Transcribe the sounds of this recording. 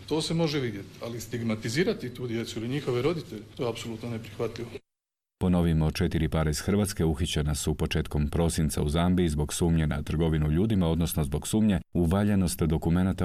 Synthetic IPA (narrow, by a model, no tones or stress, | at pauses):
t̪o̞ːsemo̞ʒeʋid̪je̞t̪i̥alist̪iɡmat̪iziːɾat̪it̪uːd̪je̞t̪suiliɲixo̞ʋeɾo̞d̪it̪eʎet̪ojeapsolut̪nonepɾixʋat̪ʎʲiʋo | po̞no̞ʋimo̞t͡ʃe̞t̪iɾipaːɾaiz̥xr̩ʋat̪ske̞uxit͡ɕenasupo̞t͡ʃe̞ːt̪ko̞mpɾo̞sint̪sauzambiizbo̞ɡsuːmɲena̰t̪r̩ɡo̞ʋinuʎuːd̪imao̞d̪no̞sno̞zbo̞ɡsuːmɲe̞uʋaʎeno̞st̪d̪o̞kume̞nat̪a